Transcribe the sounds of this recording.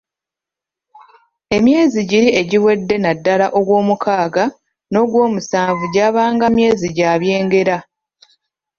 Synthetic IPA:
e̞mje̞ːziɟiɾie̞ɟiwe̞dːe̞nadːalaʔo̞ɡwo̞ːmukʰaːɡa | no̞ɡwo̞ːmusaːvuɟaːβaːŋɡamje̞ːziɟaːβje̞ːŋɡe̞ɾa

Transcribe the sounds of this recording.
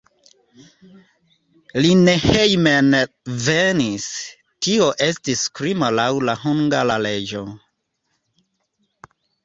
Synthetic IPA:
linehejmen | venis | tio̞ʔe̞stiskɾimalawlaɦuŋɡalale̞d͡ʒo

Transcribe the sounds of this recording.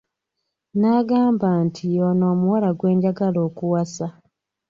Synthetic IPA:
naːɡaːmbantʰijonoːmuwalaɡwe̞ːɲɟaɡalo̞ːkuwasa

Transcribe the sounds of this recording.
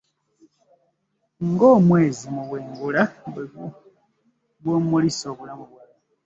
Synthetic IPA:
ŋɡoːmweːzimuβweːŋɡulabwe | ɡwoːmmulisoːβulamuβwala

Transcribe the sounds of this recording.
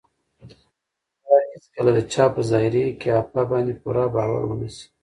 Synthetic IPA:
ahɪskəlad̪ət͡ʃɑpəzɑjɾekeapabɑnd̪epuɾabɑwa̰ɾwənisi̥

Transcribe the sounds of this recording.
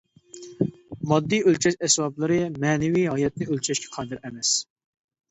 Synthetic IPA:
mɑd̪ːijølt͡ʃʰɛʃɛswɑblˠɨɾɨmɛːnɪwijɦɑjɛt̪̚nɪølt͡ʃʰɛʃkʲʰɛ̥qʰɑd̪ɨɾʔɛmɛs

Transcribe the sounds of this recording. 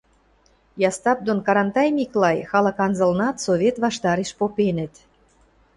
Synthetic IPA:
jɑst̪ɑp̚d̪onkɑɾɑnt̪ɑjmiklɑjxɑlə̆kɑnzɤ̆lnɑt̪soβʲet̪βɑʃt̪ɑɾeʃpopenə̆t̪

